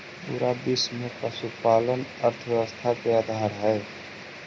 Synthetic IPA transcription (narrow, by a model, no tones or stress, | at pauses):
ṵɾab̪ɪsmẽpəsupaːlənəɾt̪ʰəʋjɛʋəst̪ʰakeaːd̪ʱaːɾɦɛː